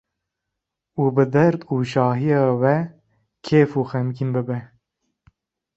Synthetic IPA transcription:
uːbɨd̪ɛɾd̪uːʃɑːɦijɑːwɛ | kʰeːfuːxɛmkʰimbɨbɛ

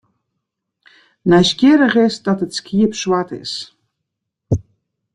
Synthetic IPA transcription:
nɛjskɪəɾəχɪsdɑtətskʰiəpswatɪ̰s

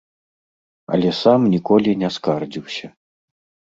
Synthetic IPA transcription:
ɐ̰lʲɛsamnʲikɔlʲinʲɛskard͡zʲiwsʲɐ

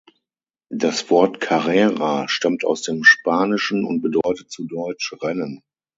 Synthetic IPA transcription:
d̥asv̥ɔɐtkʰaʁɛːʁaʃtamta̰ʊsd̥eːmʃpaːnɪʃn̩ʊ̰nt̚b̥ədɔʏtət̚t͡sudɔʏt͡ʃʁɛnən

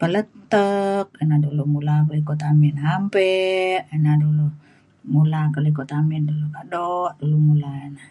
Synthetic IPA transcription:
pələt̪ək̚inadulumulakəlikɔt̪aminɦampɛʔinadulu | mulakəlikɔt̪amindulukadɔʔdulumulainah

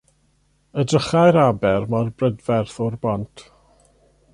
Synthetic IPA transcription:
ədrəχajɾabɛrmarbrədvɛrθɔrbɔntʰ

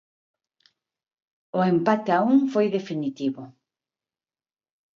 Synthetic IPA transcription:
ʊempat̪eauŋfojðefinit̪iβʊ

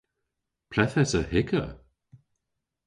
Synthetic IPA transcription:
pʰl̥ɛθɛsəhɪkə̰

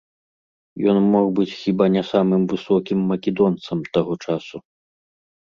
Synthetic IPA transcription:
jɔnmɔxbɨt͡sʲxʲibanʲɛsamɨmvɨsɔkʲimːɐkʲɛd̪ɔnt̪sɐmt̪aɣɔt͡ʂasu

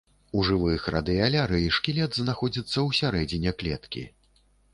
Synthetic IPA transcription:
uʐɨvɨjxra̰d̪ɨjalʲaɾɨiʂkʲilʲɛd̪znaxɔd͡zʲit̪sːɐwsʲaɾɛd͡zʲinʲɛklʲɛt̪kʲḭ

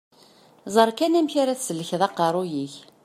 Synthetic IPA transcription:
zˤəɾˤkænæmçaɾæθsəlːəçðˤɑqɑɾˤujiç

